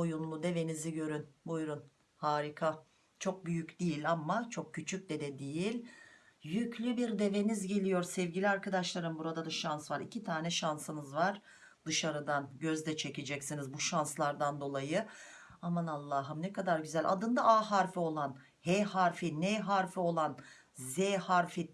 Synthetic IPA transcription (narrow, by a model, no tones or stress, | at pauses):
o̞junlˠud̪e̞ve̞niziɟø̞ɾynbujɾun | haːɾikʰa | t͡ʃʰo̞k̚byjycd̪ijilʲamːat͡ʃʰo̞k̚cʰːyt͡ʃʰyc̚ʲd̪ɛd̪ɛd̪ijilʲ | jyclʲybiɾd̪e̞ve̞nizɟe̞lʲijo̞ɾsɛvɟilʲiaɾkad̪aʃlˠaɾɯmbuɾad̪ad̪aʃansvaɾicʰit̪ʰaːnɛʃansɯnɯzvaɾ̥ | d̪ɯʃaɾɯd̪anɟøzd̪ɛt͡ʃʰe̞ced͡ʒɛcsinizbuʃanslˠaɾd̪and̪o̞lˠajɯamanalˠːaɦɯmnɛkad̪aɾɟyzælʲʔa̰d̪ɯnd̪aʔaːɦaɾfio̞lˠan | hɛhaɾfinɛɦaɾfio̞lˠan | zɛːhaɾfi